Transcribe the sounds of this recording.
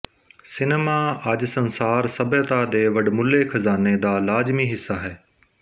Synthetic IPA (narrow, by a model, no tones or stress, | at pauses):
sɪnemaɐd͡ʒsɐnsaːɾsɐbət̪ad̪eːʋɐɖmʊlekʰɐzaːned̪aːlaːzmiːɦɪsːaɦɛː